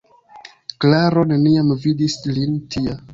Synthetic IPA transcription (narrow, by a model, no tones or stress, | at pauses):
klaɾo̞ne̞niamvidislintʰia